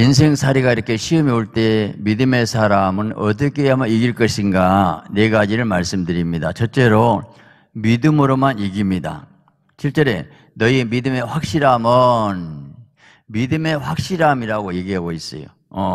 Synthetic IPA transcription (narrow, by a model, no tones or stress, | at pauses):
ins̬ʰe̞ŋsʰaɾiɡaiɾʌkʰe̞ɕʰiɯmioɭt͈e̞midɯme̞sʰaɾamɯnʌt̬ʌk͈ʰeɦamʌiɡiɭk͈ʌɕʰinɡane̞ɡad͡ʑiɾɯɭmaɭs͈ɯmdɯɾimɲida̰t͡ɕʰʌt͡ɕ͈e̞ɾo | midɯmɯɾomaniɡimɲida̰ | t͡ɕʰiɭt͡ɕ͈ʌɾe̞ | nʌiemidɯme̞ɸwak̚ɕ͈iɾamʌn | midɯme̞ɸwak̚ɕ͈iɾamiɾaɡoje̞ɡiɦaɡois͈ʌ̰jo̰ | ʌ